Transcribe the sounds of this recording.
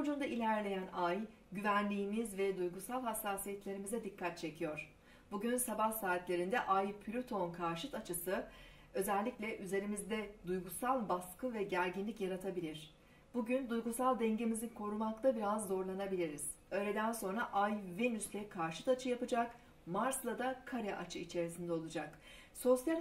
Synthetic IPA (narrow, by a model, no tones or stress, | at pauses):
od͡ʒund̪ailʲæɾlʲe̞jænaj | ɟyvænlʲiːmizvɛd̪ujɡusalˠɦasːaːsijɛt̪lʲe̞ɾimizɛd̪ikːat̪̚t͡ʃʰe̞cʰijo̞ɾ̥ | b̥uɟynsabahsaːt̪lʲe̞ɾind̪ɛʔajpʰylʲyt̪ʰo̞nkʰaɾʃɯt̪at͡ʃʰɯsɯ | ø̞zælʲːicʲlʲɛʔyze̞ɾimizd̪ɛd̪ujɡusalˠbaskɯvɛɟæɾʲɟinlʲicjaɾat̪ʰabilʲiɾ̥ | b̥uɟynd̪ujɡusalˠd̪ɛɲɟe̞mizinkʰo̞ɾumakt̪ʰabiɾazːo̞ɾlˠanabilʲiɾiz̥ | ø̞jlʲe̞d̪ænso̞nɾaʔajvenyslʲɛkʰaɾʃɯ̥t̪at͡ʃʰɯjapɯd͡ʒak | maɾslˠad̪akʰaɾɛʔat͡ʃʰɯit͡ʃʰe̞ɾisind̪ɛo̞lˠud͡ʒak | so̞sjalʲ